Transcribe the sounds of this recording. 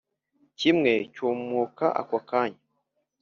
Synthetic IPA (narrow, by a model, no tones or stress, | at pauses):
cimŋe̞coːmmoka̰ʔa̰kwakaːɲa